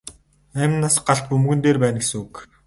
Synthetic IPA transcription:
æːmʲnaːsɢaɬt̪̚pɵmɣɵ̆nt̪eːrpæːnɡesɘŋuk

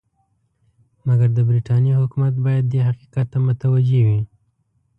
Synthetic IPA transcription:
maɡaɾd̪əbɾiʈɑnjeɦʊkumat̪̚bɑjad̪̚ːeɦaqiqat̪ːamʊt̪awad͡ʒewi

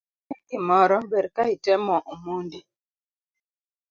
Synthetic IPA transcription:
ɛkimɔɾɔbɛɾkaitɛmɔʔumundi

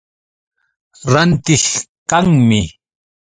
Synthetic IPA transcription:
ɾant̪ɪxkaŋmɪ

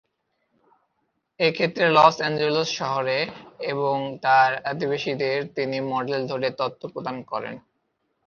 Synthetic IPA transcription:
ekʰet̪ːɾelɔsɛnd͡ʑelosʃɔɦoɾeeβoŋt̪aɾad̪ibaʃid̪eɾt̪inimɔɖeld̪ʱoɾet̪ɔt̪ʰːopɾod̪ankɔɾḛn

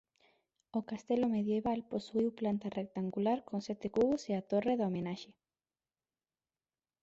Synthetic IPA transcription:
okast̪elomeðjeβalposuiwplant̪arʔek̚t̪aŋɡulaɾkonsɛt̪ɪkuɣoseat̪oreðaomenaʃe

